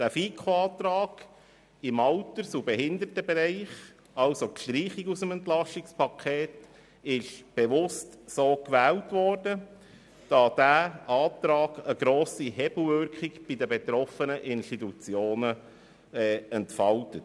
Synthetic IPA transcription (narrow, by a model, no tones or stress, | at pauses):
d̥æfiːkʰoɑːt̪ɾɑːɡ̥ | ɪmɑltəɾsubeɦɪndəɾtəbeɾɛɪχ | ɑlsokʃtɾiːχikusəmɛntlɑʃtɪkspʰɑkʰeːt | ɪʃb̥eʋʊstsoːkʋæːltʋɔːrdə | d̥ɑd̥æɑːtɾɑːɡ̥əɡɾoːsihɛbl̩ʋʏɾkʰikb̥idəbet̪ɾɔfənəʔɪnʃtitut͡sjoːnə | ɛːɛntfɑltət